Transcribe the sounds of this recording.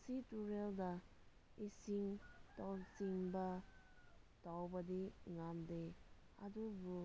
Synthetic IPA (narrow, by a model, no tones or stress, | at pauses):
situɾeldɐ | isiŋtawsiŋbɐ | tawbɐdiŋamde | ɐdubu